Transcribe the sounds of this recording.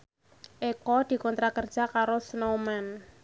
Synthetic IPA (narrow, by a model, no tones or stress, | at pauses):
ʔekɔd̪̥i̤kɔnt̪ɾakərd̥ʒ̥a̤kaɾosənomɛn